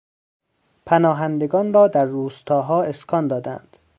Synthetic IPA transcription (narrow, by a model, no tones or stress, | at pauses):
pʰænɒːɦænd̪eɡɒːnrɒːd̪æɾːuːst̪ʰɒːɦɒːeskʰɒːnd̪ɒːd̪æ̰nd̪̥